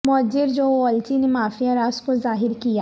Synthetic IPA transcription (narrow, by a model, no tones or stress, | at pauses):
mɔd͡ʒɪɾd͡ʒoːɔlt͡ʃinemaːfijaɾaːskozaːɦɪɾkija